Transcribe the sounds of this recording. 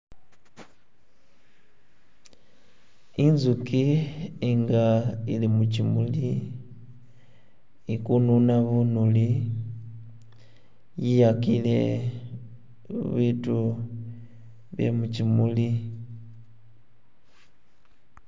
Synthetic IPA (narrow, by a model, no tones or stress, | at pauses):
inzukiiŋɡailimucimuli | ikununaβunuli | jijakilḛ | βitu | βḛmucimuli